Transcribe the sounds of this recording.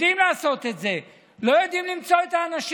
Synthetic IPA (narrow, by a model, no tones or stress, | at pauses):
imlaːso̞t̪e̞t̪ze̞ | lo̞jod̪imlimt͡so̞et̪aːnaʃ